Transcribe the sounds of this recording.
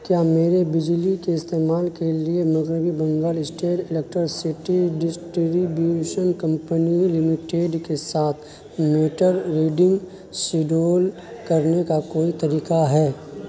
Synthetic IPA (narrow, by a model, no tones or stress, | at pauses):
kjaːmeːɾebɪd͡ʒlikeɪst̪eːmaːlkeliemɐɣɾɪbibɐ̃ŋɡaːlɪsʈeːʈɪlek̚ʈɾəɾsɪʈiɖɪsʈɾibjuuʃənkɐ̃mpənilɪmɪʈeːɖkesaːt̪ʰ | meːʈəɾɾeːɖɪ̃ŋɡ | sɪɖoːl | kɐɾnekakoːit̪ɐɾiːkaɦɛː